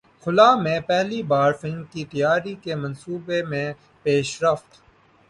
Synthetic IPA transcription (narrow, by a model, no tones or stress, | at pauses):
xʊlaːmẽpɛɦlibaːɾfɪlnkit̪ɐjaːɾikemɐnsuːbemẽ | peːʃɾəft̪